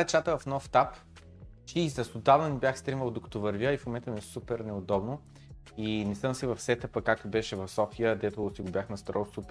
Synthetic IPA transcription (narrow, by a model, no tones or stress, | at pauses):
ɛt͡ʃat̪əvɐfnɔft̪ap | t͡ʃizɐsʊd̪avnɐnibʲjaxst̪ɾiməlˠd̪okɐ̥t̪ɔvɐɾvjəifmʊmɛnt̪əmɛsupɛɾnɛʊd̪ɔbnʊ | inɛsəmsivɐfsɛt̪əpəkːak̚t̪ʊbɛʃɛvɐfsɔfijəd̪ɛt̪ʊsiɡʊbʲjaxnɐst̪ɾɔsupɛ